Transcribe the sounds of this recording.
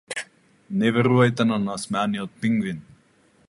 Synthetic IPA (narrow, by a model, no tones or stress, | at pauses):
nɛvɛɾuajt̪ɛnanasmaːniot̪̚piŋɡvin